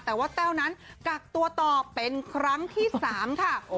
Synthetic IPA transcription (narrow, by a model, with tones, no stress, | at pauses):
t̪ɛː˨˩waː˥˩t̪ɛː˥˩wna˦˥nka˨˩k̚t̪u˧ɐt̪ɔː˨˩pe˧nkʰɾa˦˥ŋt̪ʰiː˥˩saː˨˩˦mkʰa˥˩